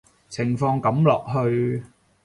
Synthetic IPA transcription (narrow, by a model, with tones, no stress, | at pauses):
t͡sʰɪ˨˩ŋfɔː˧ŋkɐ˨˥mlɔː˨k̚ɦɵ˧ɥ